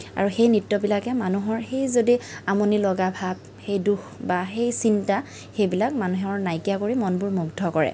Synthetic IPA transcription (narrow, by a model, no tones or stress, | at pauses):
a̰ɹuxejnɹitːɔbilakɛmanuɦɔɹxejzodiamonilɔɡabʱab̚ | xejduxbaxejsinta | xejbilak̚manuɦɛɔɹnajkijakoɹimɔnbʊɹmuɡdʱɔkɔɹɛ̰